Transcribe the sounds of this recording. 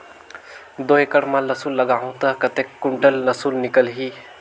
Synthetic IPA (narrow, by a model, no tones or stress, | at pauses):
d̪oɦekəɽmãləsulːəɡaɦũt̪əkət̪ekːuɳʈəlnəsulnikəlɦi